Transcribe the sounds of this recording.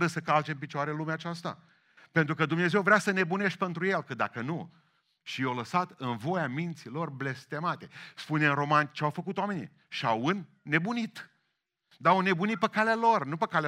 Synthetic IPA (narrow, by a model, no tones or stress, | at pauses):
ɾəsəkalt͡ʃemp̬it͡ʃoaɾelumeat͡ʃast̪a̰ | pe̞nt̪ɾukəd̪umne̞ze̞wvɾeasəne̞bune̞ʃt̪̚ʲpe̞nt̪ɾuje̞lkəd̪akənu | ʃijawləsat̪ɨnvo̞jamint̪silo̞rblest̪e̞mat̪e̞spuneɨnro̞mant͡ʃeawfəkut̪owame̞nḭ | ʃawɨnː | e̞bunit̪ | d̪aone̞bunit̪̚pəkalealo̞rnupəkale